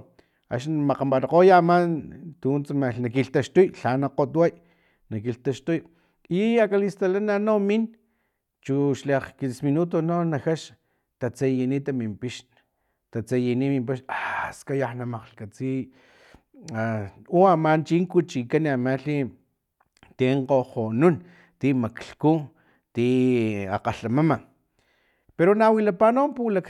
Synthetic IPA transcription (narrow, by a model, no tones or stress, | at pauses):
a̰ʃnmaqambaɾqojamant̪unt͡smanakiɬt̪aʃt̪ujɬanaqot̪waj | nakiɬt̪aʃt̪uj | iakalist̪alananomin | t͡ʃuʃleqkisminut̪ononaxaʃ | t̪at͡sejinit̪amimpiʃn | t̪at͡sajinimimpiʃaskajaħnamaqɬkat͡si | auamant͡ʃiŋkut͡ʃikanamaɬi | t̪eɴqohonun | t̪imakɬku | t̪ia̰qaɬamama | peɾonawilapanompulak